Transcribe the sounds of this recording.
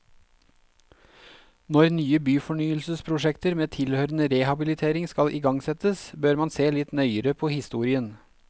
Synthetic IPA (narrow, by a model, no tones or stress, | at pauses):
nɔɾnyːəbyːfɔɳyːəlsəspʰɾʊʃɛkt̪əɾmeːt̪ʰɪlhøːɾən̩əɾehɑbɪlɪt̪ʰeːɾɪŋskɑlʔiːɡɑŋsɛt̪əsbøɾmɑnseːlɪt̪nœʏəɾəpʰoːhɪst̪uːɾɪən